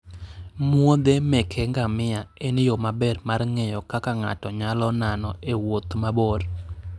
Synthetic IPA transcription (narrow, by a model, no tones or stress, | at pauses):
mwod̪emɛkʰɛŋɡamɪaenjomabɛrmarŋɛjɔkakaŋa̰tɔɲalɔnanɔewot̪mabor